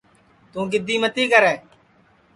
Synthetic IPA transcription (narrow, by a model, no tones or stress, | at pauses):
t̪ũːɡɪd̪iːmət̪iːkəɾɛː